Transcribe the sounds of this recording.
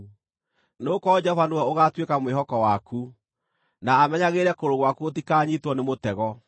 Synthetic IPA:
noːkɔd͡ʒɛɔvanowɛoɣatwekamweɦɔkɔwakʰu | naːmɛɲaɣeːɾɛkoɾoɣwakuotikaːɲitwɔnemotɛɣɔ

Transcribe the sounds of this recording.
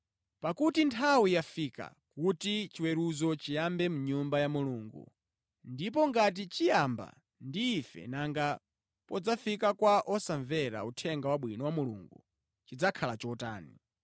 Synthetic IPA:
pakutintʰawijafika̰kutit͡ʃiwɛɾuzɔt͡ʃijambɛmuɲumbajamuluːŋɡṵ | ndip̬ɔŋɡat̬it͡ʃijamba̰ | ndiːfɛ̰naŋɡa | pɔd͡zafikakwaʔɔsaɱvɛɾa̰utʰɛŋɡawaɓwinɔwamulṵŋɡṵ | t͡ʃid͡zakʰalat͡ʃɔta̰ːni

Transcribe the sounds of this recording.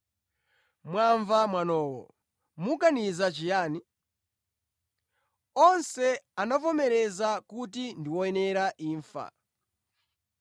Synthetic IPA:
mwaɱvamwanɔːwɔ̰ | mukanizat͡ʃijaːni | ɔnsɛanapɔmɛɾɛzakut̬indiwɔɛnɛɾaʔiːɱfa̰

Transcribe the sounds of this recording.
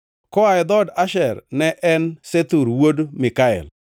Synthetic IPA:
kɔaɪd̪ɔdaʃɛɾnɛʔɛnset̪uɾwodmɪkaɛ̰l

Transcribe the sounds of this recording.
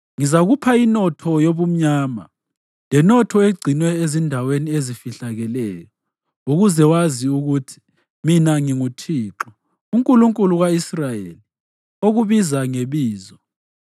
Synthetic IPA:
ŋizaɣupʰainɔtʰɔjoβum̩ɲaːma̰ | lɛnɔtʰɔeɡ͡ǀʱinwɛezindʱaweniezifiɬaɣɛlɛːjɔ | uɣuzɛwaziuɣutʰi̥ | minaŋiŋutʰiːǁɔ | uŋkʼuluŋkʼuluɣwaisrajḛli | oɣuβizaŋeβiːzɔ

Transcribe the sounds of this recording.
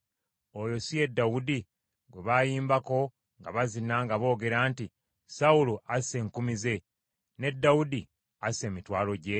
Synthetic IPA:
o̞jo̞sije̞dːawudi | ɡweβajiːmbako̞ | ŋɡa̰βazinaŋɡaβo̞ːɡe̞ɾaːnti | sawuluʔase̞ːŋkumize̞ | ne̞dːawudi | ase̞ːmitwaːlo̞ɟe̞

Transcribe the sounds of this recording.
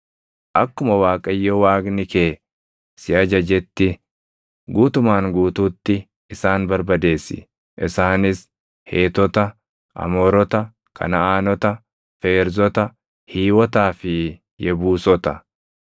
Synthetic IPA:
ʔɐkːʊmɐwaːkʼɐjːɔwaːɡnɪkeː | sɪɐd͡ʒɐd͡ʒɛt̪ːɪ | ɡuːt̪ʊmaːŋɡuːt̪uːt̪ːɪ | ɪsaːnbɐɾbɐd̪e̞ːsːɪ̰ | ʔɪsaːnɪs | heːt̪ɔt̪ɐ | ʔɐ̰mɔːɾɔt̪ɐ | kʰɐ̰nɐaːnɔt̪ɐ | fe̞ːɾzɔt̪ɐ | hiːwɔt̪aːfɪ | jɛbuːsɔt̪ɐ

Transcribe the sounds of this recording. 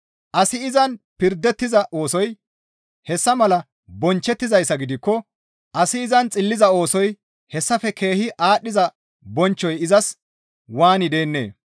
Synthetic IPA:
ʔɐsɪɪzɐnpɪɾd̪ːɛt̪ːɪzɐʔo̞ːsɔj | hɛsːɐmɐlɐ | bɔnt͡ʃːɛt̪ːɪzɐjsːɐɡɪd̪ɪkːɔ | ʔɐsɪɪzɐnt͡sʼɪlːɪzɐo̞ːsɔj | hɛsːɐfɛkʰe̞ːhɪʔaːɗːɪzɐ | bɔnt͡ʃːɔjɪzɐs | waːnɪd̪e̞ːnːḛː

